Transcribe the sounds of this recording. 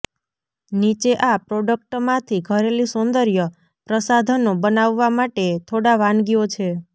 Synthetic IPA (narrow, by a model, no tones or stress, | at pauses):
nit͡ʃeʔapɾoɖək̚ʈmãt̪ʰiɡʱəɾelisond̪əɾjə | pɾəsad̪ʱənobənaʋːamaʈet̪ʰoɽaʋanɡiot͡ʃʰe